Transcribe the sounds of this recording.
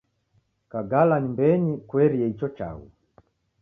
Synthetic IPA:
kaɡalanimbɛɲikwɛɾiɛit͡ʃɔt͡ʃa̰wṵ

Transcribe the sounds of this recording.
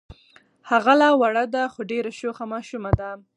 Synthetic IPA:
haɣalɑwaɽad̪axoɖeɾaʃoxamɑʃumad̪a

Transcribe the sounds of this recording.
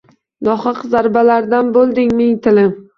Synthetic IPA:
nɒχɨqzaɾbalaɾd̪anbolˠd̪ɪŋmɪŋt̪ʰɪlɪm

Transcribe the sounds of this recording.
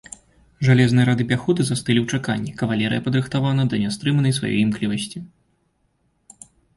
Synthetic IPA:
ʐalʲɛznɨjɐɾad̪ɨpʲaxud̪ɨzast̪ɨlʲiwt͡ʂaka̰nʲːikɐvalʲɛɾɨjɐpɐd̪ɾɨxt̪avanɐd̪ɐnʲɛst̪ɾɨmɐnɐjsva̰jɔ̰jimklʲivɐsʲt͡sʲi

